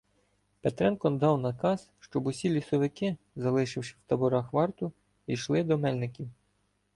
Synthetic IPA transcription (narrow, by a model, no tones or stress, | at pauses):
pet̪ɾɛnkɔnd̪ɑwnɐkɑsʃt͡ʃɔbʊsʲilʲisɔʋɪkɪ | zɐlˠɪʃɪwʃɪwt̪ɐbʊɾɑxʋɑrt̪ʊ | iʃlˠɪd̪ɔmɛlʲnɪkʲiw